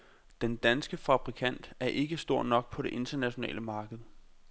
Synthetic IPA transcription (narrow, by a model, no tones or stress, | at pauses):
d̥end̥ænsɡ̥əfɑ̈b̥ʁikʰæn̰d̥æɐʔe̝ɡ̥əsd̥o̝ɐ̰nɒ̽ɡ̥̚pʰɒ̽ɾe̝ʔe̝nd̥ɐnæɕo̝nɛ̰ːləmɑ̈ːɡ̥əð̞̩ˠ